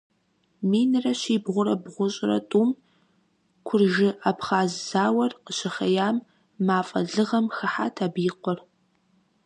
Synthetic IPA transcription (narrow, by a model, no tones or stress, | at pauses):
miːnɨrɐɕiːbʁʷʊɾɐbʁʷʊɕʼɪrɐ̰tʼuːm | kʷʰʊrʒɪʔapχaːzz̥aːwɐrqəɕɪχɐjaːmː | aːfʼɐ̰ɮɨʁɐmxɐħa̰ːtʰaːbiːqʷɔr